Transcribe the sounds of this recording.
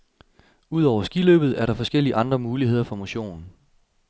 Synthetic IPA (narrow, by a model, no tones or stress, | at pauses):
uð̞̰ˠɒʊ̰ɐsɡ̥ilø̰ːb̥ð̩ˠæɐɾɑ̈fɒ̽sɡ̥el̰iəʔɑ̈nd̥ʁɐmuːliɦe̝ð̰ˠɐfɒ̽moɕo̝̰ːn